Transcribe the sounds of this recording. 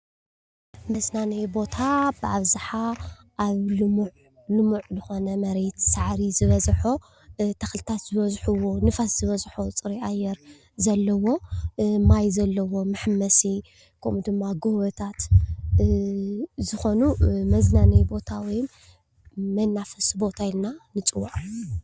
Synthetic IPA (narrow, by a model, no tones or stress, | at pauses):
mɐznanejbo̞t̪ʰabɨʔaβzaħa | ʔaβlɨmuʕ | lɨmuʕzɨxo̞nɐmɐɾe̞t̪saʕɾizɨβɐzħo | t̪ʰɐxlɨt̪ʰat̪z̥ɨβɐzħuwonɨfaszɨβɐzħot͡sʼɨɾiajːɛɾ | zɐlːɐwo̞majzɐlːɐwo̞mɨħmːɐsi | kʰɐmud̪ɨmːaɡowɐt̪ʰat̪ | zɨxo̞numɐznanɐjbo̞t̪ʰawin | mɐnːafɐsbo̞t̪ʰailnanɨt͡sʼɨwːaʕʼ